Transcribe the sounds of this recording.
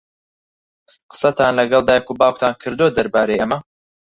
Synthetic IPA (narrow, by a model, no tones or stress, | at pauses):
qə̥sɐt̪aːnlɐɡɐlˠd̪aːjɐkubaːwk̚t̪ʰaːnkʰɨɾd̪od̪ɐɾbaːɾejʔɐmɐ